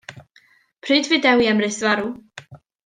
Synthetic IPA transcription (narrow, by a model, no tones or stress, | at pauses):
pʰrɨːdvɨdɛwiɛmrɨsvaɾu